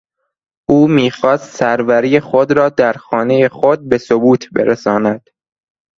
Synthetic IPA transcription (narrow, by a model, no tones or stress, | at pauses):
ʔuːmiːxɒːst̪sæɾvæɾijexod̪ɾɒːd̪æɾxɒːne̞jexod̪̚be̞sobuːt̪ʰbḛɾesɒːnæd̪̥